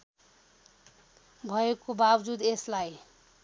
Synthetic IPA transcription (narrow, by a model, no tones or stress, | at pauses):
bʱʌekobabd͡zud̪eslaj